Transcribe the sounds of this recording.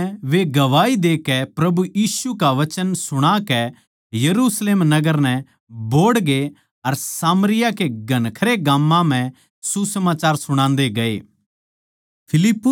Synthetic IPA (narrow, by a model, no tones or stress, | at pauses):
ʋeɡɐʋaːid̪eːkɛpɾɐbujiːsukaʋɐt͡ʃənsʊɽ̃akɛ | jɐɾuːsleːmnɐɡəɾnɛ̃ | boːɽɡe | ɐɾsaːmɾɪjakeɡɐnkʰəɾeɡaːmːãm̤ɛ̃ | susɐmaːt͡ʃaːɾsʊɽ̃ãːnd̪eɡɐḛː | pʰɪlɪpːʊ